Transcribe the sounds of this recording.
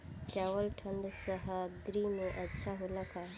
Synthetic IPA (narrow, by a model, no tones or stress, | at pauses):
t͡ʃaːʋəlʈʰəɳɖsəɦəd̪ɾimẽʔɐtːʃʰaɦoləka